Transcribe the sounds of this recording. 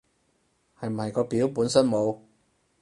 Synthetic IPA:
hɐ˨jm̩˨˩hɐ˨jkɔː˧piː˨˥wpuː˨˥nsɐ˥nmo˨˧w

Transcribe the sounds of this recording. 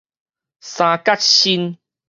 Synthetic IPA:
sã˨ka˦t̚ɕi˦n

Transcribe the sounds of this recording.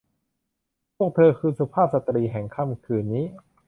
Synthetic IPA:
pʰu˥˩ək̚t̪ʰɤː˧kʰɯː˧su˧pʰaː˥˩p̚sa˨˧t̪ːɾiː˧ɦɛ˨˩ŋkʰaː˥˩mkʰɯː˧nːiː˦˥

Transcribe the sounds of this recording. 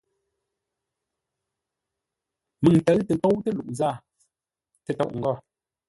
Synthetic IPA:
mɨ˨ŋtə˨˦tə˨tɔ˦wtə˦lu˨ʔn˨za˦˨ | tə˨tɔ̰˦˨ʔŋ̩˨ɡɔ˦˨

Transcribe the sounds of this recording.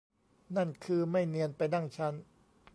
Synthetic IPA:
na˥˩nkʰɯː˧ma˥˩jnɯ˧ənpa˧jna˥˩ŋt͡ɕʰa˦˥n

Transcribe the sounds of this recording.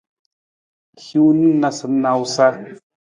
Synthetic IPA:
hju˦ni˦na˧sɨ˨na˨wsa˦

